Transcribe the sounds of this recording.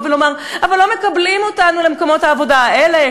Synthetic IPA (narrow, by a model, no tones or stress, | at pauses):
velomaʁ | avalːome̞kablimotanulemkomo̞thaːvo̞daaʔele